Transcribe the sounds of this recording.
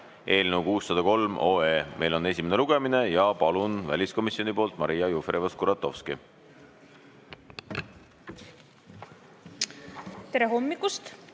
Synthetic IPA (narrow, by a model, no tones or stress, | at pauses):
ʔe̞ːlnewkuːsːɑd̪̥ɑko̞lmʔo̞eːmʔe̞jlo̞ne̞sʲimeneluɡ̥e̞mine̞jɑpɑlunvælʲisko̞misijo̞nipo̞ːlt̪ˑmɑɾijɑjufɾevɑskuɾɑt̪ːˑo̞̰fski | t̪eɾe̞ɦo̞mːikust̪